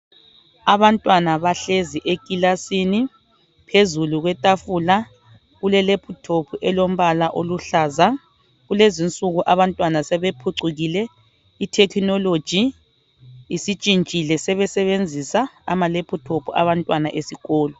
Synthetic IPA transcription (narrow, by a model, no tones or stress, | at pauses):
aβantʼwanaβaɬeziʔekʼilasini | pʰezuluɣwɛtʼafula | ɣulɛlepʰutʰopʰuʔɛlom̩βalaʔoluɬaːza | ɣulezint͡sʼuɣuʔaβantʼwanasɛβepʰuǀuɣilɛ | itʰɛkʰinɔlo̥d͡ʒ̥ʱiː | sit͡ʃʼint͡ʃʼilɛsɛβɛsɛβend͡zʱisaːmalepʰutʰopʰua̰βantʼwanaʔesiɣɔːlɔ